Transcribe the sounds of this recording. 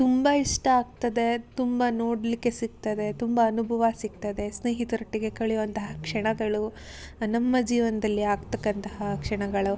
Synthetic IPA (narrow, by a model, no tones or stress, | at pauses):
t̪umbɐiʂʈɐaːɡ̚t̪ɐd̪e̞t̪umbɐnoːɽlikːe̞siɡ̚t̪ɐd̪e̞t̪umbɐːnubʱɐʋɐsiɡ̚t̪ɐd̪e̞sneːɦit̪uɾɐʈːiɡe̞kɐɭijʋɐnt̪ɐɦɐkʂɐɳɐɡɐɭu | nɐmːɐd͡ʒiːʋɐnɐd̪ɐlːiaːɡt̪ɐkːɐnt̪ɐɦɐkʂɐɳɐɡɐɭu